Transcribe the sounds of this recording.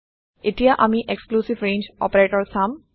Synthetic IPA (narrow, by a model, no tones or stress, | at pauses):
ɪʈijaʔamiʔekskluːsiʋɾẽːnd͡ʒɔ̰ːpəɾeːʈɔɾsãm